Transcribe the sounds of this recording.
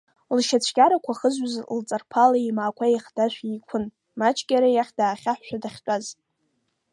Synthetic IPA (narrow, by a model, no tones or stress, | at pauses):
lʃat͡ɕʷʰɡʲaɾakʷʰaχəzʷazlt͡sʼarpʰalaimaːkʷʰaiχdaʃᶣʷikʷʰʊn | mat͡ʃʰʼɡʲaɾajaχʲdaːχʲaħʷːᶣadaχʲt͡ʃʷʼaz